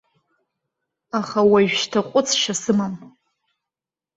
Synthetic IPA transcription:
aχawaʒᶣʃtʰaqʷʼʊt͡sʰʃasɨmam

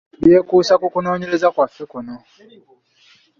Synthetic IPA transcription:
βjeːkuːsakukuno̞ːɲeɾezakwafekuno

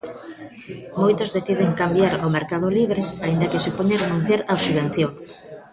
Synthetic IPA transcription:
mojt̪ozðeθið̞eŋkambjaɾomeɾkað̞oliβɾeaind̪ɐkɪsupoɲarenũn̟θjaɾaosuβ̞en̟θjoŋ

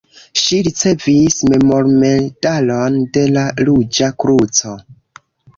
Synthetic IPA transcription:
ʃiɾit͡se̞visme̞mo̞ɾme̞dalonde̞lalud͡ʒakɾut͡so̞

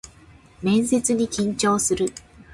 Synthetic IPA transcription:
mẽ̞ñse̞t͡sɨɲ̟ikʲĩɲ̟t͡ɕo̞ːsɨɾɯ̟

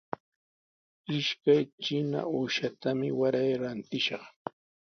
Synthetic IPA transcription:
ɪʃkajt͡ʃɪna̰uːʃat̪amɪwaɾajɾant̪ɪʃɑχ

